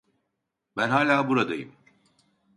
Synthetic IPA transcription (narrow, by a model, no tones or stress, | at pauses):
bænɦaːlʲaːbuɾad̪ajɯ̰m